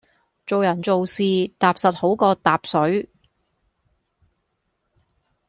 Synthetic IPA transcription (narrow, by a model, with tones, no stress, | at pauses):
t͡so˨wjɐ˨˩nt͡so˨wsiː˨˧t̪aː˨psɐ˨t̚ho˨˥wkɔː˧t̪aː˨p̚sɵ˨˥ɥ